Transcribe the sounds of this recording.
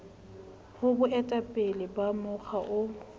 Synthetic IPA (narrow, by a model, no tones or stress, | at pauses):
hʊbʊɛtʼapʼɪlɪbamʊk͡xʰaʔʊ